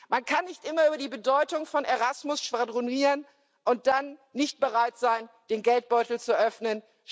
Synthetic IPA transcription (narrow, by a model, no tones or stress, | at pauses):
mankʰanːɪçtʔɪmɐyːbɐdiːbədɔʏtʊŋfɔneʁasmʊsʃv̥adʁoniːʁən | ʔʊnt̚d̥anːɪçt̚b̥əʁaɪtz̥aɪn | d̥eːnɡɛlt̚b̥ɔʏtl̩t͡suʔœfnən